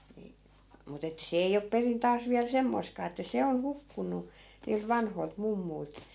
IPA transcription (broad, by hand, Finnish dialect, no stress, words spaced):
ni mut etːæ̆ se ei op perin tɑːs ʋiæl semːoi̯skɑː etːæ se on hukːunˑu niːlt ʋɑnhoi̯lt mumːui̯lt